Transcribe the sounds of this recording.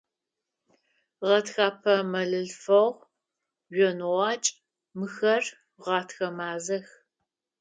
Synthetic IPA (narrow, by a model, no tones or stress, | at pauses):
ʁɐtxaːpʰɐmɐɮɨɮfɐʁ | ʒɔnʁɑːt͡ʃʼ | mɨxɐr | ʁɑːtʰxɐmaːzɐx